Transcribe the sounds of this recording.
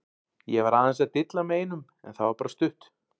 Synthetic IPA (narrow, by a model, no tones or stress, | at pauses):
jɛvaɾaːðɛnsɛat̪ɪt̪lameːjnʏm | ɛ̰nθawvaɾpaːɾast̪ʏht̪